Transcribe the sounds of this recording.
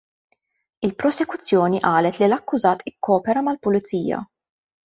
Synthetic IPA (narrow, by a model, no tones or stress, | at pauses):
ɪlpɾɔsɛkʊt͡sːjɔːniʔɐːlɛt̪lilɐkːʊzɐːt̪ɪkːɔːpɛɾɐmɐlpʊlɪtt͡siːjɐ̰